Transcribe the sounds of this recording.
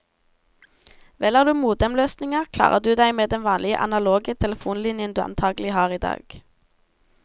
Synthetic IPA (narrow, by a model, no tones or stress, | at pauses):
ʋɛlɑːʁd̪ʉːmuːd̪ɛmløːsnɪŋəʁkʰlɑ̰ːʁəʁd̪ʉːd̪æɪmeːd̪ɛnʋɑːnlɪə̰ʔɑnɑloːɡət̪ʰɛləfuːnlɪnjənd̪ʉːɑ̰nt̪ʰɑːɡəl̩ɪhɑːʁiːd̪ɑ̰ːɡ̥